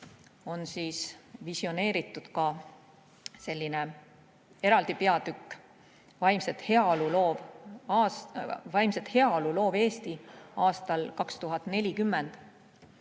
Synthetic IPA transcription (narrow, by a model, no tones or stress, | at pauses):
o̞nsiːsvisio̞ne̞ːɾit̪ːˑud̪̥kɑ | se̞lʲːine̞ | e̞ɾɑld̪̥ipe̞ɑd̪̥ykˑː | vɑjmset̪he̞ɑolulo̞ːvɑ | vɑjmset̪he̞ɑolulo̞ːve̞ːst̪iɑːst̪ɑlkɑkst̪uɦɑt̪ːˑne̞lʲikymːend̪̥